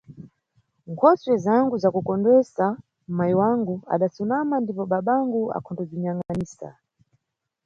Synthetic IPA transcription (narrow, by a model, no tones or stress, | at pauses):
ŋkʰɔswɛzaŋɡuzakukɔndɛsa | maiwaŋɡua̰ɗasumamandipɔɓaɓaŋɡua̰kʰɔndɔd͡ʒiɲaŋanisa̰